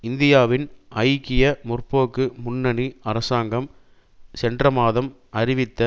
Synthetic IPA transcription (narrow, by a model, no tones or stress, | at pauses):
ɪnd̪ɪjaːʋɪnʔɐɪkːɪjɐmʊrpoːkːɯmʊnːɐniɐɾɐsaːŋɡɐm | sɛndrɐmaːðɐm | ɐɾɪʋɪt̪ːɐ